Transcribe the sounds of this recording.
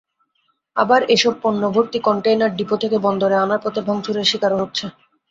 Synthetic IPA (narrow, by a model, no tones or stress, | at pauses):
abaɾeʃɔb̚ponːobʱoɾt̪ikɔɳʈejnaɾɖipot̪ʰekebɔnd̪oɾeanaɾpot̪ebʱɔŋt͡ɕʰuɾeʃikaɾɦoɾːt͡ɕʰe